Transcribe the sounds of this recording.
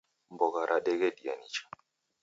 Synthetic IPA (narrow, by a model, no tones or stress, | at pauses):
m̩bɔɣaɾʔaɗɛɡɛɗia̰nit͡ʃḁ